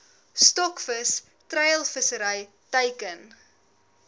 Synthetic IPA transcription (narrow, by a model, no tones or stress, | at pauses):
stɔkfəs | trɛjəlˠfəsəɾəj | təjkən